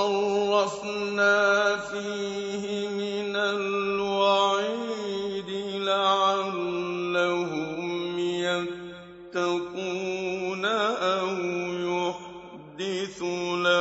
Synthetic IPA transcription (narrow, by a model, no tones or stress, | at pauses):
ɑrɑf | naːfiː | ɦɪmɪnalwaʕiːd̪ɪlaʕalːaɦʊmja | t̪akuːnaʔawjʊħ | d̪ɪθula